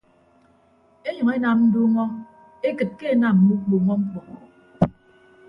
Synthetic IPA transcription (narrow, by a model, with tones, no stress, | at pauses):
e˦ɲɔ˨ŋe˦na˨mn̩˦du˦ŋɔ˦ | e˦kɨ˨t̚ke˦e˨na˨m̩˨mu˦k͡pu˨ŋɔ˦ŋ͡m̩˦k͡pɔ˨ŋɔ˨